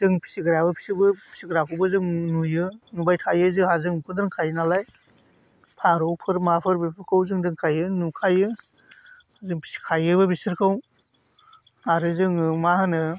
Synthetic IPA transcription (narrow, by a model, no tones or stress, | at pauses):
zɯŋpʰi̥siɡɯɾabɯpʰi̥sibɯpʰi̥siɡɾakʰɯwbɯzɯŋnujɯnubajtʰajɯzɯhazɯŋpʰɯdɯŋkʰajnalaj | pʰaɾowpʰɯɾmapʰɯɾbipʰɯɾkʰawzɯŋdɯŋkʰajɯnukʰajɯ | zɯŋpʰi̥si̥kʰajɯbɯbisiɾkʰaw | aɾɯzɯŋmaɦanɯ